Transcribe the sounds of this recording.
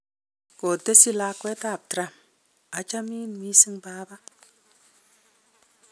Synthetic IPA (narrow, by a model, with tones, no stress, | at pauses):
ko˨te˦si˦la˦kwe˦ta˦˨b̚tɾa˨m | a˨t͡ʃa˦mi˦n˨mi˦si˦ŋbaː˦ba˦